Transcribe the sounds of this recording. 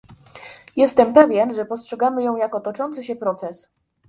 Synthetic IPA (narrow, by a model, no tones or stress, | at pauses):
jɛst̪ɛmpɛvʲjɛnʐɛpɔstʂɛɡamɘjɔ̃w̃jakɔt̪ɔt͡ʂɔnt̪sɘɕɛpɾɔt̪sɛs